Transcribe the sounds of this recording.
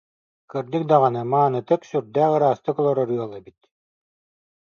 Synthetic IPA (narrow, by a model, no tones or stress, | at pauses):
kɯɾd̪ik̚d̪aʁanɯmaːnɯt̪ɯksyɾd̪æːɯɾaːst̪ɯkɔlˠɔɾɔɾɯɔlˠɛbit̪